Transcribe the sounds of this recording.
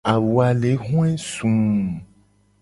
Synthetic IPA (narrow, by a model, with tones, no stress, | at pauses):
a˨wu˨a˨le˨˦ɦɔ̃˦ɛ˦sũ˨